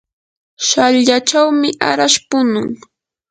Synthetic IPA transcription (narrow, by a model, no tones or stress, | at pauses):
ʃaʎʎat͡ʃawmɪʔa̰ɾaʃpʊnʊŋ